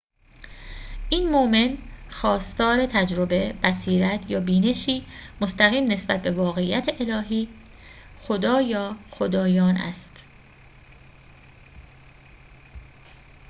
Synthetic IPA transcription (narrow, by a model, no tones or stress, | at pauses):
ʔiːnmoʔme̞nxɒːst̪ɒːɾe̞t̪ʰæd͡ʒɾobe̞bæsiːɾæt̪ʰjɒːbiːne̞ʃiːmost̪æɣiːmne̞sb̥æ̰t̪̚be̞vɒːɣe̞ijːæt̪ʰeʔelɒːɦiː | xod̪ɒːjɒːxo̞d̪ɒːjɒːnæ̰st̪